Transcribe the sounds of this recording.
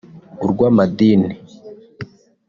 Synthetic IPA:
uɾɡwaːmad̪iːni

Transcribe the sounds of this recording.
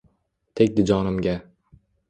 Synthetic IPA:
t̪ʰekʲd̪ɪd͡ʒɒnɪmɡʲa

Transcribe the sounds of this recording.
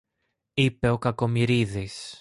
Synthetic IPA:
ipe̞o̞kɐko̞miɾiðis

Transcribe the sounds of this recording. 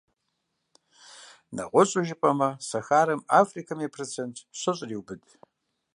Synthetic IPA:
nɐ̰qʷʊɕʼʊʒɪpʼɐmɐsɐxaːɾɐmafrikʰɐmepʰrɨt͡sʰentʰɕʷɨɕʼriwbɨdʼ

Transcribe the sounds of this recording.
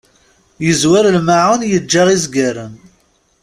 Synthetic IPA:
jəzwaɾəlmaʕanjəd͡ʒːaʁizɡæɾən

